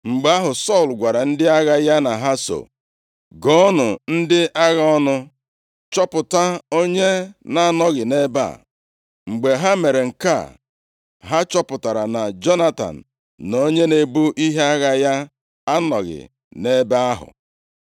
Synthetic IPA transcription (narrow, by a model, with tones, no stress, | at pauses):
ŋ͡m̩˨ɡ͡be˨˦a˦ɦʊ˨sɔ˦˨lɡʷa˨ɾa˨n̩˦dɪ˦a˦ɣa˦ja˦na˨ɦa˦so̰˨ | ɡɔ˦nʊ˨n̩˦dɪ˦ʔa˦ɣa˦ɔ˦nʊ˦ | t͡ʃɔ˦pʊ˨ta˦o˦ɲe˦na˨˦nɔ˦ɣɪ˨ne˦ba̰˦˨ | ŋ͡m̩˨ɡ͡be˨ɦa˦me˨ɾe˨ŋ̩˨ka̰˦˨ | ɦa˦t͡ʃɔ˦pʊ˨ta˨ɾa˨na˨d͡ʒɔ˦na˦ta̰˨n̩˨ | nːo˦ɲe˦ne˨bu˦ʔi˦ɦe˦a˦ɣa˦ja˦ | a˦nɔ˨ɣɪ̰˨ | ne˦ba˦a˦ɦʊ̰˨